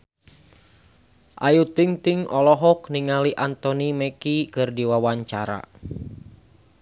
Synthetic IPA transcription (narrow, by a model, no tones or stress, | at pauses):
ʔajut̪iŋt̪iŋɔlɔɦɔkniŋaliʔant̪ɔnimɛkikɨrdiwawaɲt͡ʃaɾa̰